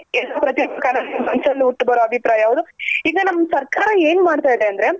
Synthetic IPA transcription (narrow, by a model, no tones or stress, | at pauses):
ɛlːɐpɾɐt̪jbkaːnɐlmɐnsɐlːiuʈːbɐɾoːɐbʱipɾaːjɐaːʋud̪uiːɡɐnɐmːɐsɐɾkaːɾɐe̞ːnmaːɖt̪aːjd̪eɐnd̪ɐɾe̞